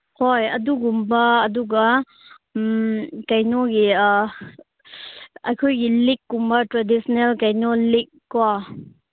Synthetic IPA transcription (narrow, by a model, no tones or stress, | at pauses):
hojɐduɡumbɐːduɡa | kajnɔɡi | ajkʰojɡilikːumbɐtɾadisɔnelkajnɔlik̚ːwa